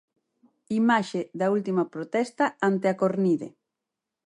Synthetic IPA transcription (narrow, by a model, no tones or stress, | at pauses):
imaʃeðɐult̪imɐpɾot̪ɛst̪ɐant̪eakoɾniðḛ